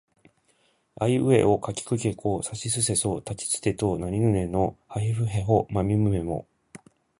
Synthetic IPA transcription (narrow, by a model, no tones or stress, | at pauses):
aiɯ̟e̞̰ʔokakʲi̥kɯ̟kʲekoːsaɕisɨse̞so̞ːt̪at͡ɕi̥t͡sɨ̥t̪e̞t̪oːnaɲinɯ̟ne̞no̞haɦiɸɯ̟ɦe̞ɦomamʲimɯ̟me̞mo̞̰